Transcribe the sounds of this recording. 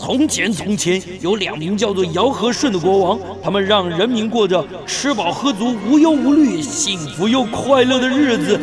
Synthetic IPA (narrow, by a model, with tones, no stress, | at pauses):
t̪ʰʊ˧˥ŋt͡ɕʰjɛ˧˥nt̪ʰʊ˧˥ŋt͡ɕʰjɛ˧˥n | jo˧˥ʊljɑ̰˨˩ŋmi˧˥nt͡ɕjɑ˥˧t͡swɔ˥˩jɑ˧˥ʊxɤ˧˥ʂwə˥˩nd̪ə˩kwɔ˧˥wɑ˧˥ŋ | t̪ʰa˥mə˨nɻɑ˥˩ŋɻə˧˥nmi˧˥nkwɔ˥˩də˩ | ʈ͡ʂʰɻ̩˧˥pɑ˨˩ʊxɤ˧˥t͡su˧˥u˧˥jo˧˥ʊu˧˥ly˥˩ɕi˥˩ŋfu˧˥jo˥˧ʊkʰwa˥˧ɪlɤ˥˩d̪ə˩ɻɻ̩˥˩d͡zɹ̩˩